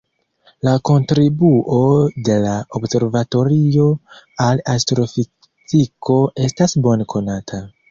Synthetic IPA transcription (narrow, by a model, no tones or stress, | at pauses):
lako̞ntɾibuʔo̞de̞laobse̞ɾvato̞ɾio̞alastɾo̞fi | tikʰo̞e̞stasbo̞nkʰo̞natʰa